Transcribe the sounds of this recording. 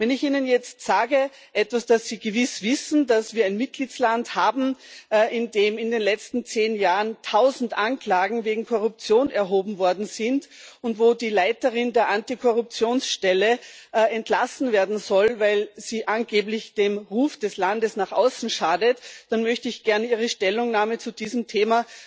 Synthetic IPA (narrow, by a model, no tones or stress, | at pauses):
vɛnɪçʔiːnənjɛt͡stz̥aːɡə | ʔɛtv̥asd̥asːiːɡəvɪsv̥ɪsn̩dasv̥iːɐaɪnmɪt̚ɡ̥liːtslanthaːbm̩ɪndeːmɪndeːnlɛt͡stn̩t͡seːnjaːʁəntʰaʊzn̩tʔankl̥aːɡŋ̩veːɡŋ̩kʰɔʁʊp̚t͡sjoːnɛɐɦoːbm̩vɔɐdn̩z̥ɪntʊntv̥oːdiːlaɪtəʁɪndeːɐʔantikʰɔʁʊp̚t͡sjoːnsʃtɛləɛntlasn̩veːɐdn̩zɔlvaɪlz̥iːʔanɡeːblɪçd̥eːmʁuːfd̥ɛslandəsnaːχʔa̰ʊsn̩ʃaːdətd̥anmœçtəɪçɡ̥ɛɐniːʁ̞əʃtɛlʊŋnaːmət͡sudiːzəmtʰeːma